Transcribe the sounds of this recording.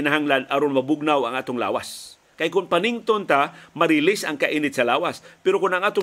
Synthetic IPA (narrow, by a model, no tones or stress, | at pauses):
ɪnaɦaŋlanʔɐɾonmɐbʊɡ̚nawɐŋʔaːt̪oŋla̰ːwa̰s | kɐjkʊnpɐnɪŋt̪ont̪amɐɾɪlɪsɐŋkɐʔiːnɪt̪̚sɐlaːwaspɛɾokʊnɐŋʔaːt̪o